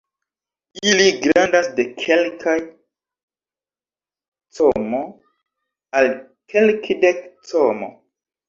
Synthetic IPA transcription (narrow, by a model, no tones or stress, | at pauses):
iliɡɾandasde̞kʰelkʰaj | tomo | al | kʰelkʰidektomo̰